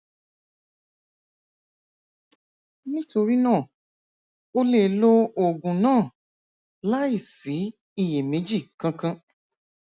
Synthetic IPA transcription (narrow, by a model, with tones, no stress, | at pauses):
nĩ˦to˧ɾi˦nãː˦˨ | o˦le˧lo˦o˨ɡũ˨nãː˦˨ | la˦i˦˨si˨˦ | i˦˨je˨mẽ˨˦d͡ʒi˦˨kã˧kã˧